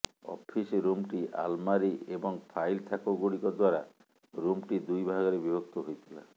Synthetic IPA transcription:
ɔ̰pʰisɾumʈiʔa̰lmaɾiebɔŋpʰajlt̪ʰakoɡoɽikɔd̪waɾa | ɾumʈid̪ujbʱaɡɔɾebibʱɔkt̪ɔɦojt̪ʰila̰

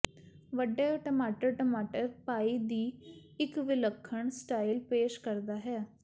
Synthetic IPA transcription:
ʋəɖːeːʈəmaːʈəɾʈəmaːʈəɾpaːiːd̪iːɪkʋɪləkʰːəɳsʈaːilpeːʃkəɾd̪aːɦɛː

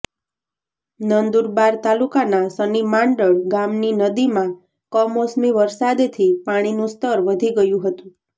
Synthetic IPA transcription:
nənd̪uɾbaɾt̪alukanasənimaɳɖəɭɡamninəd̪imã | kɔmosmiʋəɾsad̪t̪ʰipaɽ̃inũst̪əɾʋəd̪ʱiɡəjũɦət̪ũ

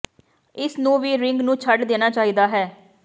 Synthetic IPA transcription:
ɪsnũːʋiːɾɪŋɡnũːt͡ʃʰəɖd̪eːnaːt͡ʃaːɦiːd̪aːɦɛː

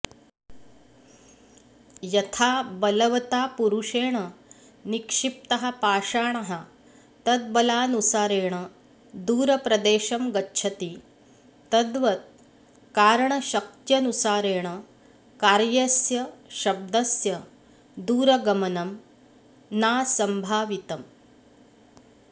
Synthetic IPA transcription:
jɐt̪ʰaːbɐlɐʋɐt̪aːpuɾuʂeːɳɐ | nikʂip̚t̪ɐɦɐ̆paːʂaːɳɐɦɐ | t̪ɐd̪̚bɐlaːnusaːɾeːɳɐ | d̪uːɾɐpɾɐd̪eːʃɐmɡɐtːʃʰɐt̪i | t̪ɐd̪ʋɐt̪̚ | kaːɾɐɳɐʃɐk̚t̪jɐnusaːɾeːɳɐ | kaːɾjɐsjɐʃɐb̚d̪ɐsjɐ | d̪uːɾɐɡɐmɐnɐm | naːsɐmbʱaːʋit̪ɐm

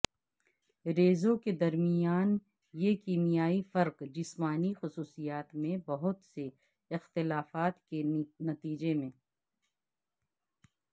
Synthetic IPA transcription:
ɾeːzõked̪ɐɾmijaːn | jekiːmijaːifɐɾqd͡ʒɪsmaːnixʊsuːsijaːt̪mẽbɐɦʊt̪se | ɪxt̪ɪlaːfaːt̪kenɐt̪iːd͡ʒemẽː

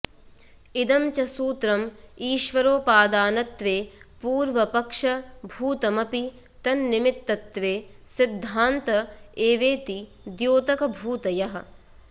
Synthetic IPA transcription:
id̪ɐmt͡ʃɐsuːt̪ɾɐmiːʃʋɐɾoːpaːd̪aːnɐt̪ʋeːpuːɾʋɐpɐkʂɐbʱuːt̪ɐmɐpi | t̪ɐnːimit̪ːɐt̪ʋeːsid̪ʱːaːnt̪ɐeːʋeːt̪i | d̪joːt̪ɐkɐbʱuːt̪ɐjɐɦɐ̆

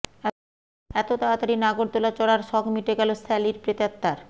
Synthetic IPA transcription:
ɛt̪ot̪aat̪aɾinaɡoɾt̪olat͡ɕɔɽaɾʃɔɡmiʈeɡɛlost̪ʰɛliɾpɾet̪at̪ːaɾ

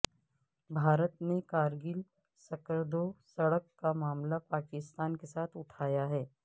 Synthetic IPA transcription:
bʱaːɾət̪nekaːɾɡɪl | sɐkəɾd̪osɐɽəkːamaːmlapaːkɪst̪aːnkesaːt̪ʰʊʈʰaːjaɦɛː

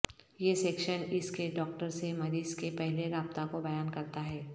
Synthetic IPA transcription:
jeseːkʃənɪskeɖɔːk̚ʈəɾsemɐɾiːskepɛɦleɾaːb̚t̪akobɐjaːnkɐɾt̪aɦɛː

